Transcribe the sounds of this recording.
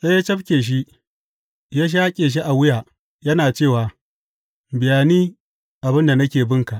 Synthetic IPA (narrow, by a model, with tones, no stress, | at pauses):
sa˦ja˦t͡ʃɐ˦ɸkʲeː˨ʃ̬i˦ | jaː˦ʃ̬aː˦kʲʼeː˨ʃ̬i˦ʔa˨wɪ˦jaː˨ | jɐ˦naː˨t͡ʃeː˦˨waː˨ | bɪ˨jaː˨niː˦ | ʔa˨bɪ˦nda˨nɐ˦kʲeː˨bɪ˦ŋka˨ʔ